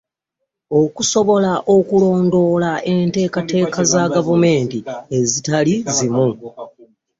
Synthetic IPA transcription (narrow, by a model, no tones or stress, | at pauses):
o̞kuso̞βo̞laʔo̞kulo̞ːndo̞ːlaʔe̞nte̞ːkate̞ːkazaɡavume̞ːntie̞zitalizimu